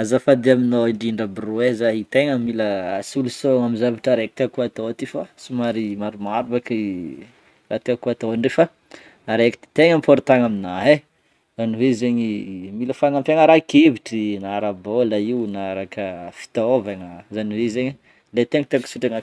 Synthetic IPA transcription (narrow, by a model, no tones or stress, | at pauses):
azafad̪iaminoiɳɖ͡ʐiɳɖ͡ʐəbiruezaɦit̪eŋəmiləsulusoŋamizavaʈ͡ʂaɾeki̥t̪eakuat̪ot̪ifasumaɾimaɾumaɾbaki | rat̪eakuat̪oaɳɖ͡ʐefa | aɾeki̥t̪i̥t̪eŋampoɾit̪aŋaminaɦe | zaniwezeɲimiləfanampaŋaɾakeviʈ͡ʂinaɾabolaiwnaɾakəfi̥t̪ovaŋəzaniwezeɲi | let̪eŋt̪eaksuʈ͡ʂaŋa